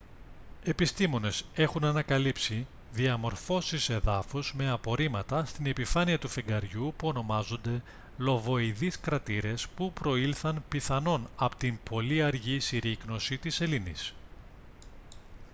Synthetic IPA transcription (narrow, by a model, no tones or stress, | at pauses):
e̞pist̪imo̞ne̞se̞xunɐnɐkɐlipsi | ðiɐmo̞ɾfo̞sise̞ðɐfuzme̞ɐpo̞ɾimɐt̪ɐst̪ine̞pifɐniɐt̪ufeŋɡɐɾʝupuo̞no̞mɐzo̞nd̪e̞ | lo̞vo̞iðiskɾɐt̪iɾe̞spupɾo̞ilθɐnpiθɐno̞nɐpot̪impo̞liɐɾʝisiɾikno̞sit̪ise̞linḭs